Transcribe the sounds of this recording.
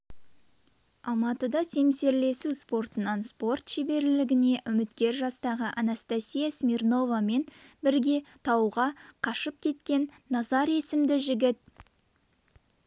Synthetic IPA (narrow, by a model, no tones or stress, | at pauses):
ɑlˠmɑt̪əd̪ɑse̞mse̞ɾle̞suspo̞rt̪ənɑnspo̞rt̪ʃebe̞ɾlɪɡʲɪne̞ʔʏmɪt̪kʲe̞ɾʒɑst̪ɑʁəʔanast̪asʲijasmʲirno̞vame̞nbɪɾɡʲe̞t̪ʰɑwʁɑqʰɑʃəp̚kʲʰe̞t̪kʲe̞nːɑzɑɾe̞sɪmd̪ɪʒɪɡʲɪt̪̚